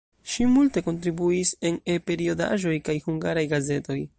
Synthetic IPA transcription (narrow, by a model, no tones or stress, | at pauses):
ʃimulte̞ko̞ntɾibuise̞ne̞pe̞ɾio̞da̰ʒo̞jkajhuŋɡaɾajɡaze̞to̞j